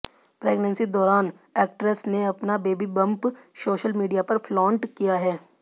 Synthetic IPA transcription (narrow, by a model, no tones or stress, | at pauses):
pɾeːɡnə̃nsid̪ɔːɾaːn | ɛːk̚ʈɾəsneɐpnabeːbibɐ̃mpsoːʃəlmiːɖijapɐɾflɔːɳʈkijaɦɛː